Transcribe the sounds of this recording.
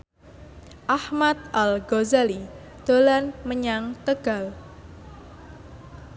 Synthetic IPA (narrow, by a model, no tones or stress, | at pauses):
ʔahmat̪̚ʔalɡozali | d̪̥olanməɲaŋt̪əɡ̥a̤l